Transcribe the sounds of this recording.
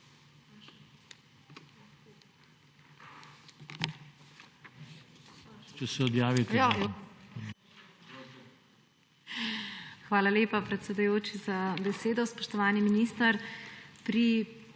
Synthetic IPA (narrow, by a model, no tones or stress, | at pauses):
t͡ʃɛsɛɔd̪jaːʋit̪ | xʋaːlaleːpapɾɛt̪sɛd̪ujoːt͡ʃizabɛseːd̪ɔspɔʃt̪ɔʋaːniminist̪aɾpɾi